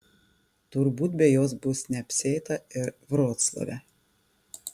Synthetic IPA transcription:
t̪ʊɾbuːt̪̚bʲɛjoːs̬bʊsnʲɛɐpʲsʲɛɪt̪ɐɪɾʋɾoːt̪slˠɐ̰ʋʲɛ̰

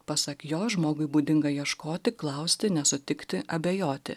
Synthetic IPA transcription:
pɐsɐkjoːʒmoːɡʊɪbuːd̪ʲɪŋɡɐjiɛʃkoːt̪ʲɪklˠɐʊsʲt̪ʲɪnʲɛsʊt̪ʲɪkt̪ʲɪʔɐbʲeːjoːt̪ʲɪ̰

